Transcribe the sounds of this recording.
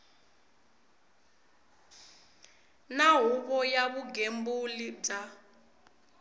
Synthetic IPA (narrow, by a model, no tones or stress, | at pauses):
naɦuβɔjaβuɡembulib͡ʐa